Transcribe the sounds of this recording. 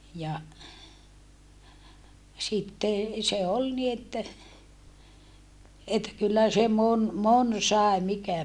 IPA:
jɑ sitːe se ol ni etːæ etːæ kylːæ se mon mon sɑˑe mikæ

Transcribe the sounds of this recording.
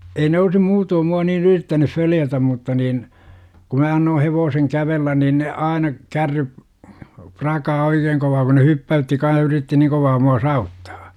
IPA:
ei ne olsi muːtoːm muɑ niːn yritːænuf føljætæm mutːɑ niːn ku mæ ɑnːoː heʋoːseŋ kæʋelːæn niːn ne ɑinɑ kærːyp prɑkɑː oikeːŋ koʋɑː ku ne hypːæytːi kɑn̞h yritːi niːŋ koʋɑː muɑ sɑːutːɑ̥ː

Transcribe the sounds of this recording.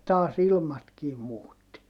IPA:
tɑːs ilmɑtkiː muːtːi

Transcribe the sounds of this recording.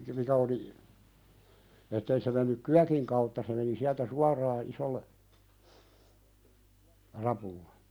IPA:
mikæ oli etːei se menːyk kyækiŋ kɑutːɑ se meni siæltæ suɑrɑː isolːe rɑpulːe

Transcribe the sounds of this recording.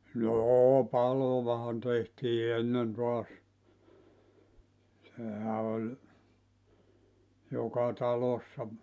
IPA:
noː pɑloʋɑhɑn tehtiː enːen toɑs sehæ olʲ jokɑ tɑlosːɑ

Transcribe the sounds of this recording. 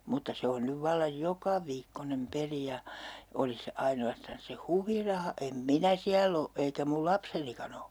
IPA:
mutːɑ se on nyʋ ʋɑlːɑj jokɑʋiːkːonem peli jɑ olis se ɑinoɑstɑns se huʋirɑhɑ em minæ siælː o eikæ mul lɑpsenikɑn o

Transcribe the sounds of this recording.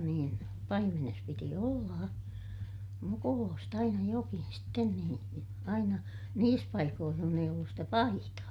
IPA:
niːn pɑimenes piti olːɑː mukuloːst ɑinɑ jokin sten niːn ɑinɑ niːs pɑikoːh john eij olːus stæ pɑ ɑitɑː

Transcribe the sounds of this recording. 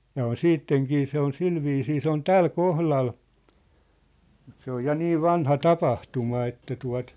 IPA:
jɑ on siːtːeŋkiː se on silʋiːsiː se on tæl kohlɑl mut se oj jɑ niːʋ̆ ʋɑnhɑ tɑpɑhtumɑ etːæ tuɑ̝t ne

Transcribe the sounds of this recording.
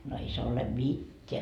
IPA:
no ei se ole mitʲːeæ

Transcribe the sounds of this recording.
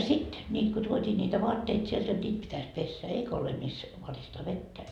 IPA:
sit nʲiːt ko tuotʲiː nʲiːtæ ʋoɑtːeit sielt jot nʲiːt pitæs pesːæ eikæ ole mis ʋɑristɑː ʋetːæ

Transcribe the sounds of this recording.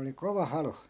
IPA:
oli koʋɑ hɑlu

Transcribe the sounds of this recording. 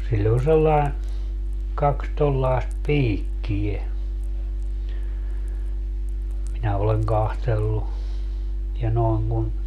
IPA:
silʲː on selːɑen kɑks tolːɑest piːkːie minæ oleŋ kɑhtelːu jɑ noeŋ kun

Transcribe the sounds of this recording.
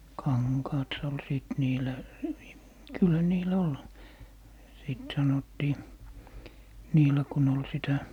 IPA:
kɑŋkɑːt s ol siˑt niːlæ kylːæ niːlæ ol siˑt sɑnotːiː niːlæ kun ol sitæ

